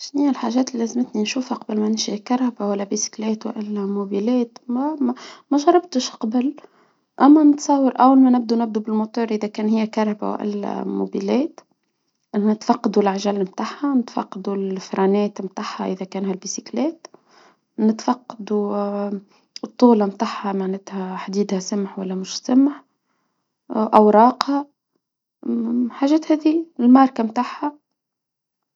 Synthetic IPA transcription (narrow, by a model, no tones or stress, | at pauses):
ʃniːɪlħaʒæːt̪lilæzmət̪ninʃuːfhaqɑbəlmænɪnʃikɑɾˤhabawælːæbisi̥klɛːt̪w̰ʔɪlːæmubilɛːt̪ | mæʒɑɾˤɑb̚t̪əʃqɑbəl | ʔæmːænət̪sˤɑwːəɾʔæwːælmænɪb̚d̪unɪb̚d̪ubɪlmut̪uːɾʔɪðækæːnhɪjːækɑɾˤhaba̰w̰ʔɪ̰lːæ̰mṵbilɛːt̪ | ʔnɪt̪fɑqːɑd̪ulʔaʕʒæːlmt̪aħhanɪt̪fɑ̰qːɑd̪ulfɾˤɑnɛːt̪mt̪aħhaʔɪðækæːnhælbisiklɛːt̪ | nɪt̪fɑqːɑd̪u | t̪ˤːuːlɑmt̪aħːamaʕnæt̪hæħd̪iːd̪hæsamħwælːæmʊʃsamħ | ʔɑwɾˤɑːqhɑ | ħaːʒæːt̪hɛːðilmɑɾˤkamt̪aħha